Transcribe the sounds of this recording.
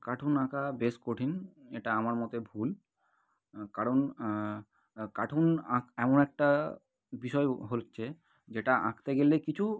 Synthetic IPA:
kaʈʰunãkabeskoʈʰineʈaamaɾmɔt̪ebʱul | kaɾon | kaʈʰunãkɛmonɛk̚ʈa | biʃɔeɦolt͡ɕʰe | d͡ʑeʈaʔã̰kt̪eɡelekit͡ɕʰu

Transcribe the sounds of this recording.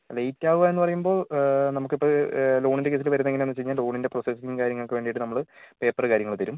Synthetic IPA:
lejtːaːʋuʋaːe̞nːɨpɐrɐjumbo̞ːɭnɐmukːipːolo̞ːɳinde̞ke̞ːs̬ilʋɐɾunːeŋːilenːɨt͡ɕejɲːaːllo̞ːɳinde̞proːsesiŋkaːɾjɐŋːɐɭkɨʋe̞ːɳɖijiʈːɨnɐmːɐɭpe̞ːpːɐrkaːɾjɐŋɐɭt̪ɐɾum

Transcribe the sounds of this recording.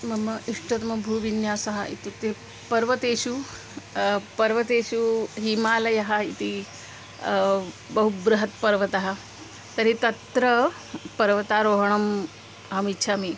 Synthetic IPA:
mɐmːɐʔiʂʈɐt̪mɐbʱuːʋinjaːsɐɦɐʔḭt̪ut̪e | pɐɾʋɐt̪eːʃu | pɐɾʋɐt̪eːʃuɦimaːlɐjɐɦɐit̪i | bɐɦubɾɐɦɐt̪pɐɾʋɐt̪ɐɦɐ | t̪ɐɾit̪ɐt̪ɾɐ | pɐɾʋɐt̪aːɾoːɦɐɳ̃ɐm | ɐmitːʃʰaːmi

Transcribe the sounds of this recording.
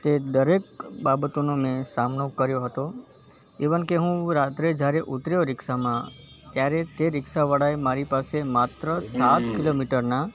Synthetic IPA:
t̪ed̪əɾek̚babət̪onomẽsamnokəɾjoɦət̪o | eʋənkeɦũɾat̪ɾed͡ʒjaɾeʔut̪ɾjoɾɪksamã | t̪jaɾet̪eɾɪksaʋəɽaemaɾipasemat̪ɾəsat̪kilomiʈəɾna

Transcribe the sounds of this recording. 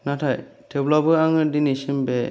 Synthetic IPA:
natʰaj | tʰeblabɯaŋɯdinisimbe

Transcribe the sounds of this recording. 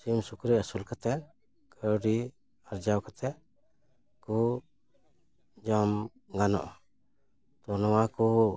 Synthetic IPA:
simsukɾiasulkat̪ɛ | kəɾɖi | aɾd͡ʒawkat̪ɛ | ku | d͡ʒɔm | ɡanɔ̰ʔ | t̪ɔnɔwaku

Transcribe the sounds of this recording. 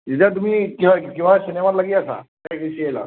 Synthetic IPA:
d͡ʑit̪at̪̬um̤iːkikĩw̃ʋasinemaɾlaɡiːasa̰ | akeɕijela̰

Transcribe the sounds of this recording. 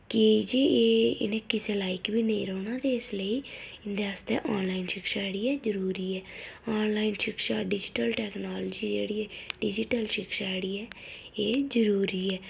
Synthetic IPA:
kɪd͡ʒieːɪ̰nẽːkɪseːlaːikbʱiːnə̃ḭ̃ːɾoːñaːt̪eːɪsləiːɪnd̪eːaːst̪ḛːʔaːnlaːinʃɪkʃaːɽiːɛːzəɾuːɾiːɛːaːnlaːinʃɪkʃaːɖɪd͡ʒɪʈəlʈɛːknaːld͡ʒiːd͡ʒḛːɽiːɛːɖɪd͡ʒɪʈəlʃɪkʃaːeɽiːɛːeːzəɾuːɾiːɛː

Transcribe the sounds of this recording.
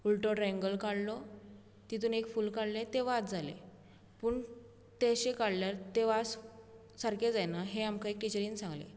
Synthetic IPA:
ulʈɾoɾɛ̃ŋɡəlkaɽlɔ | t̪it̪uːnekfuːlkaɽlet̪eʋat̪d͡zalḛ | puɳ | t̪eɕekaɽljaɾt̪eʋad͡z | səɾked͡zajnaɦeamkaekʈit͡ɕəɾiːnsãŋɡlḛ

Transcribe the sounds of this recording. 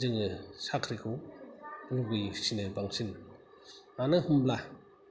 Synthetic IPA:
zɯŋɯsakʰɾikʰuw | ɾuɡɯjsinɯbaŋsin | anɯhumbla

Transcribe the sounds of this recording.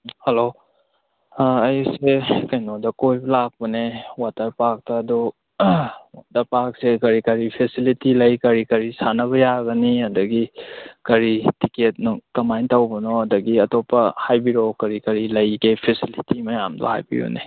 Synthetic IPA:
hɐlo | ɐjsekɐjnodɐkojblak̚pɐnewatɐɾpak̚tɐːdɔ | wa̰tɐɾpak̚sekɐɾikɐɾipʰesilitilɐjkɐɾikɐɾisanɐβɐjaɡɐniɐdɐɡikɐɾitiket̚nukɐmajntɐwbɐnɔɐdɐɡiɐtopːɐhajbiɾokɐɾikɐɾilɐjɡepʰesilitimɐjamdo̰ha̰jbḭjo̰nḛ

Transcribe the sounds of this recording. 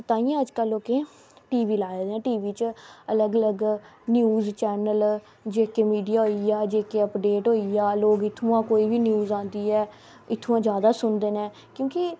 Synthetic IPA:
ət̪aːĩjãːəd͡ʒkəloːkeː | ʈiːʋiːlaːed̪ɛ̃ːʈiːʋiːt͡ʃələɡələɡnjuːzt͡ʃɛːnəl | d͡ʒeːkeːmiːɖijaːɦoːiaːd͡ʒeːkeːəpɖeːʈɦoːiaːloːɡɪt̪ʰːũːãːkoːiːbiːnjuːzãːnd̪iːɛː | ɪt̪ʰːũːãːd͡ʒjaːd̪aːsʊnd̪eːnɛ̃ː | kjõːkɪ

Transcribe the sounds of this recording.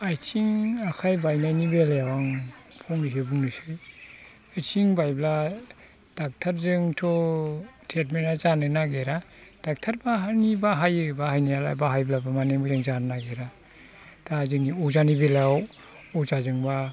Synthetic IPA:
ajt͡ʃiŋakʰajbajnajnibeljawaŋpʰɔŋnisɯbuŋnɯsɯj | ajt͡ʃiŋbajbla | d̥ak̚tʰaɾzɯŋtʰɔ | tʰet̚menazanɯnaɡeɾa | d̥ak̚tʰaɾbaɦanibaɦajɯbahajnijala̰jbaɦajblabamaneŋbɯzɯŋzanɯnaɡeɾa | d̥azɯŋniɔzanibelaw | ɔzazɯŋba

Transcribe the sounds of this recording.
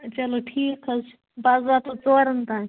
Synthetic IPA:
t͡ʃɐloʈʰiːkʰɐt͡ʃʰ | baːzʋaːt̪ot͡soːɾɐnt̪ãː

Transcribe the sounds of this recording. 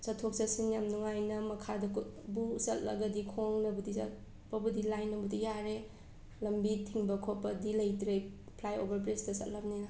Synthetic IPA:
sɐtʰok̚sɐsiŋjamnuŋajnɐmɐkʰadɐkʰut̚busɐt̚lɐ̰ɡɐdikʰoŋnɐbudisɐ̰t̚ | pɐbudilajnːɐbudijaɾe | lɐmbitʰiŋbɐkʰot̚pɐdilɐjtɾe | pʰlajo̰bɐɾpɾesdɐsɐ̰t̚lɐp̚ninɐ

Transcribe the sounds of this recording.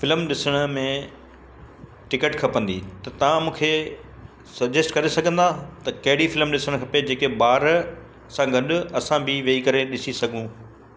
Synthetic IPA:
fɪlmɗɪsəɽ̃ʊ̆mẽ | ʈɪkəʈkʰɐpə̃nd̪ḭːt̪ɐt̪ɐʋ̤ãmũːkʰe | sɐbd͡ʑesʈkɐɾesɐɡʱə̃nd̪at̪ɐkɐɦɪɽifɪlmɗɪsəɽ̃kʰɐped͡ʑeːkebaːɾ | sãɡɐɗʊ̆ɐsãbɪʋɐikɐɾeɗɪsisɐɡʱũ

